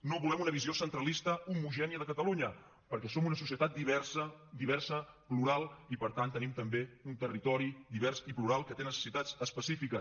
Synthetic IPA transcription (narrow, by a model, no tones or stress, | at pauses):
noβulɛmunəβiziosənt̪ɾəlist̪əumuʒɛniəðəkət̪əluɲə | pəɾkɛsomunəsusiət̪at̪̚d̪iβɛsəd̪iβ̞ɛrsəpluɾalˠipəɾt̪ant̪ːənimt̪əmbeunt̪ərit̪ɔɾid̪iβɛrsipluɾalˠkət̪enəsə̥sit̪ad͡zəspəsifikə